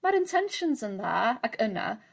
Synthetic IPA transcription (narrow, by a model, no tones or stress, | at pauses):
maɾɪ̃ntʰɛ̃nʃə̃nzə̃nðə̰əkʰənə̰